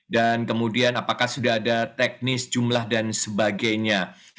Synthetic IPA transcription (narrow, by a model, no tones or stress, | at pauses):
dankəmudianapakahsudaɦːdat̪ɛk̚nɪsd͡ʒumlahdansəbaɡajɲa